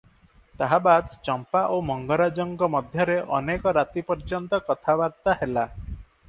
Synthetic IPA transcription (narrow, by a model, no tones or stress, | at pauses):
t̪aɦabad̪t͡ʃɔmpaʔomɔŋɡɔɾad͡ʒɔŋɡɔmɔd̪ʱjɔɾeʔɔ̰nekɔɾat̪ipɔɾd͡ʒɔnt̪ɔkɔt̪ʰabaɾt̪aɦela